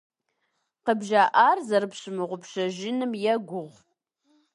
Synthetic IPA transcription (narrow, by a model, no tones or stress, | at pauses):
qəbʒaːʔaːrzɐrɨpɕɨmɨʁʷʊpɕɐʒɪnɨmjɛɡʷʊʁʷ